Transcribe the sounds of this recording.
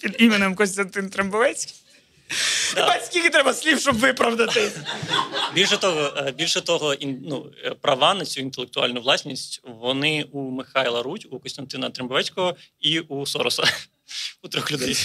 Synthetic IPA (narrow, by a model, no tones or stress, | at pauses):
pʲid̪imɪnɪmkɔsʲt̪ɐnt̪ɪnt̪ɾembɔʋɛt͡sʲkʲi | bɐt͡sʲkʲijit̪ɾɛbɐsʲlʲifʃt͡ʃɔbʋɪpɾɐʋd̪ɐt̪ɪ | bʲilʲʃɛt̪ɔɦɔbʲilʲʃɛt̪ɔɦɔinnupɾɐʋɑnɐt͡sʲuint̪elˠekt̪ʊɑ̰lʲnʊʋlˠɑsʲnʲisʲtʲʋɔnɪumɪxɑjlˠɐɾutʲukɔsʲt̪ɐnt̪ɪnɐt̪ɾɪmbɔʋɛt͡sʲkɔɦɔiusɔɾɔsɐ | ut̪ɾʲɔxlʲʊd̪ɛj